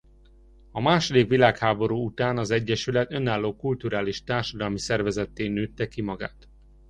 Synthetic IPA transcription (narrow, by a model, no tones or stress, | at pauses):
ɒmaːʃo̞d̪ikʋilaːkhaːbo̞ɾuːut̪aːnɒzɛɟːɛʃylɛt̪ø̞naːlːoːkult̪uɾaːliʃt̪aːrʃɒd̪ɒlmisɛrvɛzɛt̪ːeːnøːt̪ːɛkimɒɡa̰ːt̪